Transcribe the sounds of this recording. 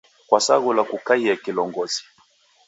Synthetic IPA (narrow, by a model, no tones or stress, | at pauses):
kwasa̰ɣulakukaiakilɔŋɡɔzi̥